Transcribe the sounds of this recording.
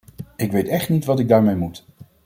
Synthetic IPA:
ɪkʋejtɛχtnitʋɑtɪɡ̚daːɹmejmut

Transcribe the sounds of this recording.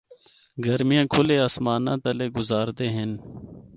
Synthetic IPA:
ɡɐɾmijãːkʰʊleːaːsmaːnã̰ːt̪ɐleːɡʊzaːɾd̪eːɦɪn

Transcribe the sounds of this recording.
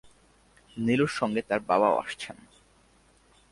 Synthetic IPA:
niluɾʃɔŋɡet̪aɾbabao̰a̰ʃt͡ɕʰen

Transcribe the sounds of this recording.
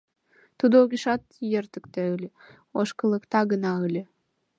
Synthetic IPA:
t̪ud̪ooɣʲiʃɑt̪jert̪əkt̪eəlʲe | oʃkə̆lˠə̆kt̪ɑɡənɑəlʲe

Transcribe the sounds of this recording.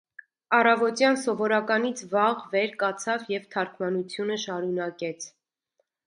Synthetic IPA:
ɑrɑvɔt̪jɑnsɔvɔɾɑkɑnit͡sʰvɑʁvɛɾkɑt͡sʰɑvjɛvt̪ʰɑɾkʰmɑnut͡sʰjunəʃɑɾunɑkɛt͡sʰ

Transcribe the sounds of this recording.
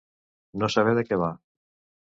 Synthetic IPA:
nosaβ̞ɛðekeβa

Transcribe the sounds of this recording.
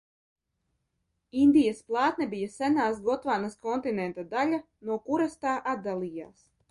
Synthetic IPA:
ind̪ijasplˠɑːt̪nɛbijasænaːsɡɔt̪vaːnaskɔnt̪inɛnt̪ad̪alʲa | nuɔkuɾast̪aːʔad̪d̪alˠija̰ːs

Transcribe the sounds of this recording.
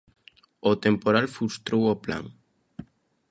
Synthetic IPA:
ot̪empoɾalfust̪ɾowopla̰ŋ

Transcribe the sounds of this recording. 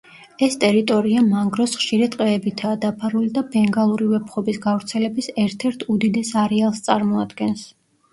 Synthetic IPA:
ɛst̪ʼɛɾit̪ʼɔɾiamaŋɡɾɔsχʃiɾɛt̪ʼqʼɛːbit̪ʰaːd̪apʰaɾulid̪abɛŋɡalˠuɾivɛpʰχɔbisɡavɾt̪sʰɛlɛbisɛɾt̪ʰɛɾt̪ʰud̪id̪ɛsaɾɛalˠst̪sʼaɾmɔad̪ɡɛns

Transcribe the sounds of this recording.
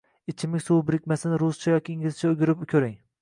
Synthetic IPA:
ɪt͡ʃʰɪmɪŋʲsuwbɪɾɪkʲmasɪnɪɾʊzt͡ʃʰajɒkʲiiŋʲɪlt͡ʃʰaʊɡʲɪɾɪpkʲʰɵɾɪŋ

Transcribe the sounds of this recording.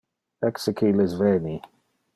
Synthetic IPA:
ɛksɪkʰilɪzvɛːni

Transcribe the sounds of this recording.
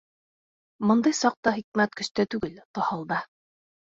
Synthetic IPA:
mɤ̆nd̪ɤjsɑq̚t̪ɑχik̚mæt̪kɵ̆ʃt̪æt̪ʉɡɘlt̪ɑhɑlˠd̪ɑ

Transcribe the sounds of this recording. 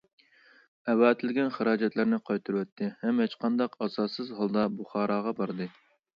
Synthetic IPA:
ɛwɑːt̪ʰɪlɡʲɛnχəɾɑːd͡ʒɛt̪lɪɾnɪqʰɑjt̪ʰɨɾwɛt̪ʰːɪhɛmhɛt͡ʃqʰɑnd̪ɑqɑsɑːsɨzɦɑlˠd̪ɑbuχɑːɾɑːʁɑbɑɾd̪ɨ

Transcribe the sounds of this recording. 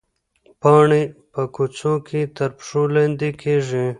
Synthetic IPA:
pɑːɳipɐkut͡sokʰit̪ɐɾpʂulend̪ikʰeʐi

